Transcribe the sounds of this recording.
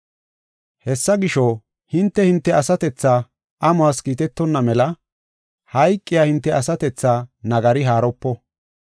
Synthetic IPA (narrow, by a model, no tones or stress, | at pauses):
hɛsːɐɡɪʃɔ | hɪnt̪ːɛhɪnt̪ːɛɐsɐt̪ɛt͡sːaː | ʔɐmʊaːskiːt̪ɛt̪ːɔnːɐmɛlɐ | hɐjkʼːɪjaːhɪnt̪ːɛʔɐsɐt̪ɛt͡sːaːnɐɡɐɾɪɦaːɾɔpːɔ